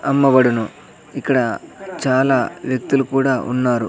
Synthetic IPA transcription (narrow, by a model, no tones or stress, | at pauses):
ɐmːɐbɐɽunu | ikːɐɽɐt͡ʃaːlaːʋjɐk̚t̪ulukuːɽaːʔṵnːaːɾṵ